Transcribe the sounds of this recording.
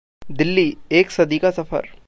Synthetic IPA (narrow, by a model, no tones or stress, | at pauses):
d̪ɪlːieːksɐd̪ikasɐfə̰ɾ